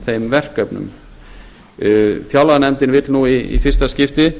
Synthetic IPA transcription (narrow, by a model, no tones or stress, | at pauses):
θejmvɛr̥kœpnʏ̰m | fjawlanɛmt̪ɪnvɪt̪lnuiḭfɪr̥st̪ascɪft̪ɪ